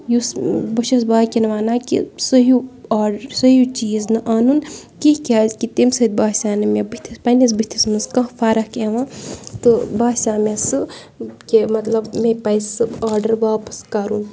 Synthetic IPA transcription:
jusbɐʃɐsbaːkʲinʋaːnaːkḭsɐɦuaːɖɾsɐɦut͡ʃiːznɨʔaːnunkikʲaːzʲkit̪imsɐd̪̚ʲbaːsʲaːnɨmebɨt̪ʰispɐnis̬bɨt̪ʰisnɨskɐfʰaːɾɐhkeːʋãːt̪ɨbaːsʲaːmesɨ | kemɐt̪lɐbmepɐjsɨbaːɾɖɐɾʋaːpɐ̥skɐɾun

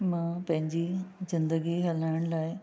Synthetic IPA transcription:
mãːpɐ̃ɦɪ̃ɲd͡ʑizɪ̃nd̪əɡiɦɐlaːɪɽ̃laːɪ

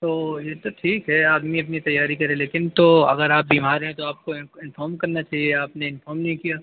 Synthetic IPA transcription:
t̪oːjeːt̪oʈʰiːkɦɛaːd̪miɐp̬nit̪ɐjːaːɾikɐɾẽleːkɪnt̪oɐ̰ɡəɾaːp̚biːmaːɾɦɛ̃t̪oaːp̚koɪnfaːɾmkɐɾnat͡ʃaːɦieaːpneɪnfɔːɾmnɐɦĩkijaː

